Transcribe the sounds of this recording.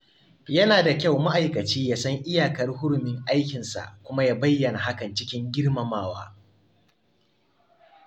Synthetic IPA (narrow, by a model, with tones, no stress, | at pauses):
jɐ˦naː˨da˨kʲa˦˨wma˦ʔa˨jkɐ˨t͡ʃiː˦jaː˦sɐ˦ŋʔɪ˦jaː˨kɐ˦rɦʊ˦ɽʊ˨mɪ˦ŋʔa˦jkʲɪ˨nsa̰˨ʔkʷʊ˦ma˦jaː˦bɐ˦jːɐ˨na˨ɦa˦kɐ˨nt͡ʃɪ˦kʲɪ˦ŋɡʲɪ˦ɽmɐ˨maː˦˨wa̰ː˦